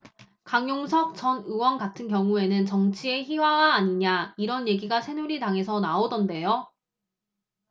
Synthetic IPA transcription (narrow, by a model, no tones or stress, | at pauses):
kaŋjoŋsʰʌk̚t͡ɕʌnɯwʌnɡatʰɯnkjʌŋue̞nɯnt͡ɕʌŋt͡ɕʰie̞çiwaɡaːɲiɲaiɾʌnje̞ɡiɡasʰe̞nuɾitaŋɦe̞sʰʌnaodʌnde̞jo